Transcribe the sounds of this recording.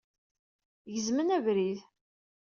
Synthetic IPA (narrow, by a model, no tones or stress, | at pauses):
jəzmənævɾið